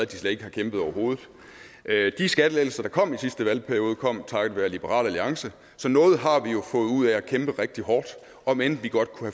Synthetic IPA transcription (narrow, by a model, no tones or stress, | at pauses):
æd̥islɛ̥e̝ɡ̥əhɑ̈kʰemb̥ð̩ˠɒʊɐɦo̝ːð̞̩ˠ | d̥isɡ̥æd̥əleɪl̩sɐd̥ɑ̈kʰɒ̽m̰isisd̥əʋælpʰæɐijo̝ːðˠəkʰɒ̽m̰t͡sʰɑ̈ɡəʋæɐlib̥əʁɑ̰̈ːlæliɑ̈ŋsə | sɒ̽nɔ̽ːð̞̩ˠɦɑ̈ʋijo̝fɔ̽ːðˠuð̞̰ˠæækʰemb̥əʁeɡ̥̚d̥iɦɒːd̥ | ɒ̽menʋiɡ̥ɒ̽d̥̚kʰuhæ